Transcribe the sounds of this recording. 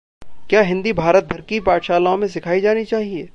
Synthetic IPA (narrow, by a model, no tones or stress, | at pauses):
kjaːɦɪ̃nd̪ibʱaːɾət̪̚bʱɐɾkipaːʈ̪ʃaːlaõmẽs̬ɪkʰaːid͡ʒaːnit͡ʃaːɦieː